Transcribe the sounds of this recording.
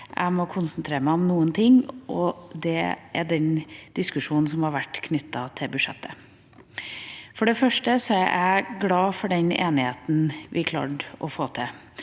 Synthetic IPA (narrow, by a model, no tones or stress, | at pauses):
ʔæ̰ɪmɔkʰʊnsənt̪ʰɾeːɾəmæɪɔmnuːənt̪ʰɪŋːʔɔd̪ɛʔæɖɛnd̪̥ɪskʉʂuːnn̩sɔmhɑɾʋæʈːkʰnʏt̪ːɑt̪ʰɪbʉʂɛ̰t̪ʰːə | fɔɖɛfœʂʈəsɔæʔæɡlɑːfɔɖɛnḛːnɪheːt̪n̩ʋʔɪkʰlɑ̰ːʈʔɔfoːt̪ʰɪ